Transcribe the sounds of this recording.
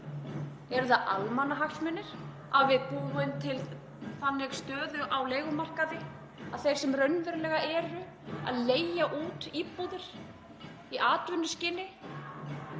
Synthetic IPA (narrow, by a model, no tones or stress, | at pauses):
ɛɾðaʔalmanːaɦaxsmɛnːɪɾ̥ | avvɪðpuːɪnt̪ʰɪl | θanːɪɣst̪œːðʏʔawleːjɣʏmar̥kaðɪ | aðθejɾ̥sɛmrœɥnvʏɾlɛːɣaʔɛːɾʏ | a̰ðleːjaʔuːt̪ipuðɪɾ̥ | iʔaːt̪vʏnːʏscɪnːɪ